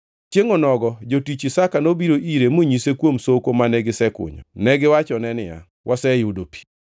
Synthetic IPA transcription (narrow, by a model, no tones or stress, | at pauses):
t͡ʃjeŋonɔɡɔd͡ʒotit͡ʃisakanobiɾoʔiɾemoɲisekwomsokomanɛɡɪsɛkʊ̰ɲɔ̰nɛɡɪwat͡ʃɔnɛnɪja̰ | wʔasɛjʊdopi̥